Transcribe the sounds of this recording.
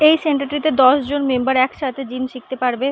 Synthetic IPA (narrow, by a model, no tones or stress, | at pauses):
ejseɳʈaɾʈɾit̪ed̪ɔʃd͡ʑonmembaɾɛkʃat̪ʰed͡ʑimʃik̚t̪epaɾbe